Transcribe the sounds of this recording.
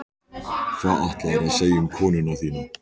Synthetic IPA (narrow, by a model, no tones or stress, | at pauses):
kʰvaːaht̪laðɛɾaðseːjɪʏmkʰɔːnʏnawθiːnʏm